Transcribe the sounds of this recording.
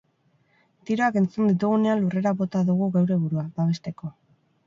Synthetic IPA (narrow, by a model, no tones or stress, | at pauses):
t̪iɾo̞ake̞nt͡sund̪it̪̬uɣ̞une̞anlure̞ɾaβo̞t̪aðuɣ̞uɣawɾe̞βuɾuabaβe̞st̪e̞ko̞